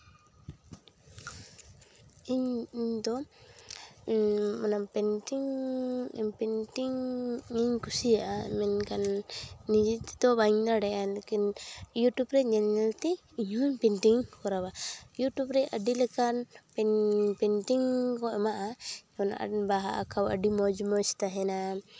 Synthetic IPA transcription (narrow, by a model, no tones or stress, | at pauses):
iɲɲt̪ɔ | manapɛntiŋɛpɛntiŋiɲkusiaʔaɛ̰mɛnkanːid͡ʒit̪i̥t̪ɔβaɲnaɽɛʔalakinjutubɾɛɲɛnɛlt̪ɛ | iɲɔɲpɛnʈiŋkɔɾawajuʈjubɾɛaɖilɛkanpɛpɛnʈiŋkɔɛmaʔaiɲɔna̰ʔbaɦaʔa̰kʰawa̰ɖimɔd͡ʒmɔst̪aɦɛna